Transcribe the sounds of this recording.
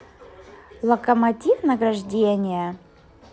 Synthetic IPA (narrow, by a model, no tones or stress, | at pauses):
lˠəkəmɐtʲifnəɡɾɐʐdʲenʲɪjə